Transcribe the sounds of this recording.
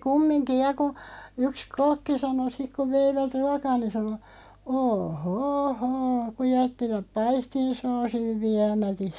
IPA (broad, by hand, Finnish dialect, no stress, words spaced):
kumːinki jɑ ku yks kokːi sɑno sik ku ʋeiʋæt ruɑkɑː ni sɑno oː hoː hoː ku jætːiʋæp̆ pɑistin soːsiʋ ʋiæmætis